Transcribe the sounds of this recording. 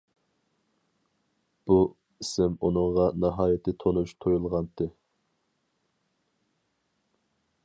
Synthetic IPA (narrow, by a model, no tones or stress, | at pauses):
b̥u | isɪmunɨŋʁɑnɑɦɑːjɪt̪ʰɪt̪ʰonuʃt̪ʰojulˠʁɑnt̪ʰɨ